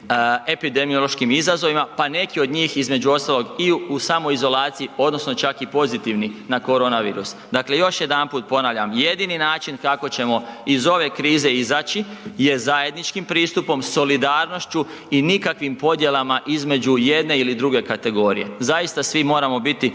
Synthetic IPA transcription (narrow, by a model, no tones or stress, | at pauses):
e̞pid̪e̞mijolˠo̞ʃkimizazo̞ʋimapane̞kio̞d̪ɲiːxizme̞d͡ʒuo̞st̪alˠo̞ɡiusaːmo̞izo̞laːt̪sijio̞d̪no̞sno̞t͡ʃakipo̞zit̪iʋninako̞ɾo̞naʋḭːɾusd̪akle̞jo̞ʃje̞d̪anpuːt̪̚po̞naʋʎʲamje̞d̪ininaːt͡ʃinkako̞t͡ɕe̞mo̞izo̞ʋe̞kɾiːze̞izaːt͡ʃije̞zaje̞d̪nit͡ʃkimpɾiːst̪upo̞mso̞lid̪aːɾno̞ʃt͡ʃu | inikakʋimpo̞d̪je̞lˠamaʔizme̞d͡ʒuje̞d̪ne̞ilid̪ɾuɡe̞kat̪e̞ɡo̞ɾḭjezajist̪asʋimo̞ːɾamo̞bit̪i